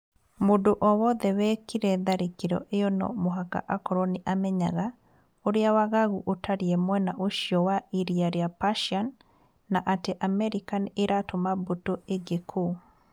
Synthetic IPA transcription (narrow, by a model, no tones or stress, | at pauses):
modoʔɔwɔðɛwɛkiɾɛðaɾekeɾɔ̰ʔeonɔ̰moɦaka̰ʔakɔɾɔniʔamɛɲa̰ɣa | oɾeawaɣaɣuʔotaɾiɛmwɛnaʔoʃiɔwaiɾiaɾeapaʃanː | aʔateʔamɛɾikaneɾʔatomabotoʔeɡekʰo